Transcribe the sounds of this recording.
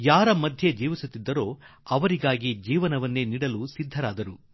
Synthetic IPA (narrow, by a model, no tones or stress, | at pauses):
jaːɾɐmɐd̪ʱjed͡ʒiːʋisut̪ːid̪ːɐɾo̞ːɐʋɐɾiɡaːɡid͡ʒiːʋɐnɐʋɐnːeːniːɽɐlusid̪ʱːɐɾaːd̪ɐɾu